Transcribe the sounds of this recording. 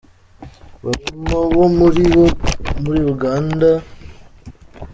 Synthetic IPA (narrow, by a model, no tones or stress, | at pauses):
βatumaβomɾi | muɾiɾuɡaːnda